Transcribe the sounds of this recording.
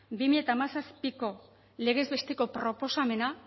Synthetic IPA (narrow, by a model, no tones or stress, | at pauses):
bimiʎe̞t̪aːmasaspiko̞ | le̞ɣ̞e̞zβe̞st̪e̞ko̞pɾo̞po̞same̞na